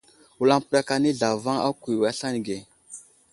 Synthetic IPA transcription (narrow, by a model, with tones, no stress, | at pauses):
wu˦la˦ŋpɾa˦ka˦ni˦ɮa˨va˦a̰˦kʷu˨wa˦ɬa˦ni˨ɡe˨